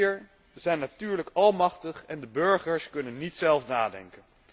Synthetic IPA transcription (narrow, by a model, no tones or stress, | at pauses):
ɹ | zɛjnːatyːɹləkɑlˠmɑχtəχɛndəbɵɹχəɹskɵnənːitsɛlˠfnaːdɛ̰ŋkən